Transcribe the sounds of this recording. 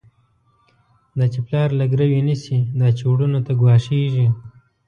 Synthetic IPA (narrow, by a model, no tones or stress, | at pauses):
d̪ɑt͡ʃeplɑːɾlaɡɾawinəsid̪ɑt͡ʃewɽunot̪aɡwɑːʂeʒi